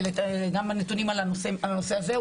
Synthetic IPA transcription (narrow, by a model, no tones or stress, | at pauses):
letɡamanet̪unimalanoseanose̞aze